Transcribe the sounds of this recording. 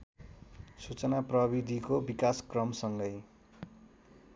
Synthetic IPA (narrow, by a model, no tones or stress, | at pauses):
sut͡sʌnaprʌbid̪ʱikobikaskrʌmsʌŋɡʌj